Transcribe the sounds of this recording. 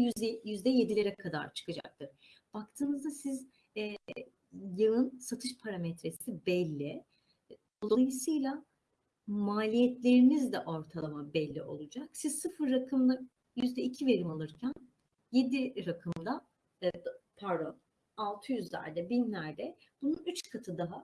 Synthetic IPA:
yɛjyzd̪ɛje̞d̪ilʲe̞ɾɛkʰad̪a̰ɾt͡ʃʰɯ̥kɯd͡ʒa̰k̚t̪ʰɯɾ̥ | b̥ak̚t̪ʰɯːnɯzd̪asiz | jɯɯnsat̪ʰɯʃpʰaɾamɛt̪ɾe̞sibɛlʲːɪ | olˠoajɯsɯjlˠa | maːlʲijɛt̪ʰlʲe̞ɾinizd̪ɛʔo̞ɾt̪ʰalˠamabɛlʲːḭʔo̞̰lˠud͡ʒaksiz̥sɯfɯɾːakʰɯmlˠa | jyzd̪ɛicʰive̞ɾimalˠɯɾcʰæn | je̞d̪iɾakʰɯmd̪a | pʰaɾo | alˠt̪ʰɯjyzlʲæ̰ɾd̪ɛbinlʲæɾd̪ɛb̥ununyt͡ʃkʰat̪ʰɯd̪aɦa

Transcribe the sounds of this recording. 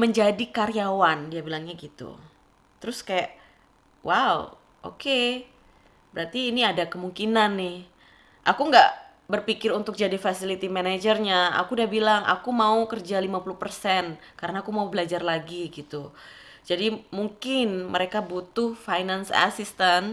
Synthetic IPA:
məɲd͡ʒadikaɾiawandiabilaŋɲaɡit̪ṵ | t̪əɾʊskajaʔ | wʔaṵ | ʔo̰ke | bəɾart̪iːniadakəmuŋkinanːɪh | ʔakuŋɡaʔ | bərpikɪɾunt̪ʊk̚d͡ʒadifasilit̪imanad͡ʒərɲaa̰kudiabilaŋʔa̰kumaukərd͡ʒalimapulʊhpərsɛnkaɾənaːkumaubəlad͡ʒarlaɡiɡit̪u | d͡ʒadimuŋkɪnmʔəɾekabut̪ʊhfajnansa̰sist̪an

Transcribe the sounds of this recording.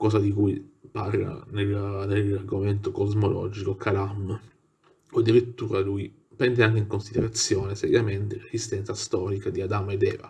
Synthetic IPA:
kɔːsad̪ikujparla̰nelnelːarɡoment̪okozmolʔɔ̰d͡ʒikokʰalam | oad̪ːiɾit̪ːuːɾaluj | pɛnd̪eaŋk̟eiŋkonsid̪eɾat̪sːjɔːnesɛ̰ɾjament̪elezist̪ɛnt̪sast̪ɔːɾikad̪iad̪amed̪ɛːva̰

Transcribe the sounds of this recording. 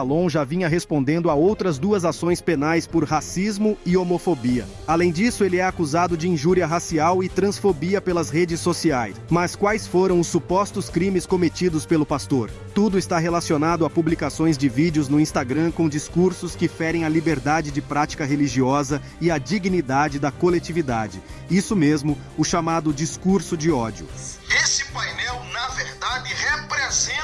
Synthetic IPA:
alõw̃ʒavĩɲɐɦespõnd̪ẽnd̪ʊaowt̪ɾɐzd̪uɐzasõj̃spenajspʊɾɦasizmʊɪomofobiɐ̰ | alẽj̃d͡ʒisʊelɪɛakuzad̪ʊd͡ʒɪĩʒuɾiɐɦasiawɪt̪ɾɐ̃sfobiɐpelɐzɦed͡ʒɪsːosiajsmɐskwajsfoɾɐ̃w̃ʊsːupɔst̪ʊskɾĩmɪskomet͡ʃid̪ʊspelʊpast̪oɾ | t̪ud̪ʊɪst̪aɦelasionad̪ʊapublikasõj̃zd͡ʒɪvid͡ʒɪʊznʊĩst̪aɡɾɐ̃kõd͡ʒiskuɾsʊskɪfɛɾẽj̃ɐlibeɾd̪ad͡ʒɪd͡ʒɪpɾat͡ʃi̥kɐɦeliʒiɔzɐ | ɪɐd͡ʒiɡinid̪ad͡ʒɪd̪ɐkolet͡ʃivid̪ad͡ʒɪ | isʊmezmʊ | ʊʃamad̪ʊd͡ʒiskuɾsʊd͡ʒɪɔd͡ʒiʊ̰esɪ̥pajnɛwnɐveɾd̪ad͡ʒɪhepɾezẽ

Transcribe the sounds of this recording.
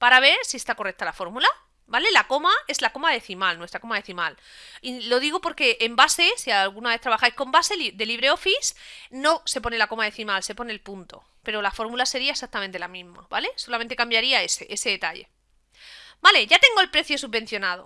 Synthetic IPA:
paɾaβ̞e̞ɾsie̞st̪ako̞rekt̪alafo̞ɾmula | bale̞lako̞mae̞zlako̞maðe̞θimalnwest̪ɾako̞maðe̞θimal | ilo̞ðiɣopo̞ɾke̞ʔembase̞sialɣunaβe̞θt̪ɾaβaxajhko̞mbase̞lid̪e̞liβ̞ɾe̞o̞fisno̞se̞po̞nelako̞maðe̞θimalse̞po̞nelpunt̪o̞̰ | pe̞ɾolafo̞ɾmulase̞ɾiae̞sak̚t̪amẽnt̪elamĩzma̰βale̞so̞lament̪e̞kambjaɾiaeseʔese̞ðe̞t̪aʎḛ | bale̞ʝat̪e̞ŋɡo̞elpɾe̞θjo̞suββe̞n̟θjo̞nað̞o̞̰

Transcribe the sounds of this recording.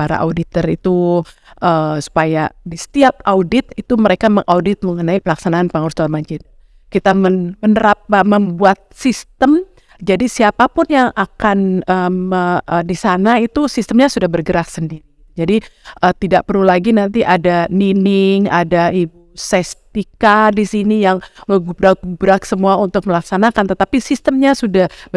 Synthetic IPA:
paɾa̰ʔa̰udit̪ərit̪u | ʔəsu̥pajadisə̥t̪iapʔaudɪt̪it̪uməɾekaməŋʔawdɪt̪̚məŋənaipəlaksanaanpəŋursalmaɲd͡ʒɪt̪̚ | kit̪amənmənəɾap̚aməmbuat̪̚sist̪əm | d͡ʒadisiapapʊnjaŋakanəəədisanait̪usist̪əmɲasudahbərɡəɾaksəndiɾi | d͡ʒadiʔət̪idaʔ̚pərlulaɡinant̪iʔadaninɪŋadaibusɛst̪ikadisinijaŋŋəɡubɾak̚ɡubɾaksəmuaunt̪ʊk̚məlaksanakant̪ət̪apisist̪əmɲasudah

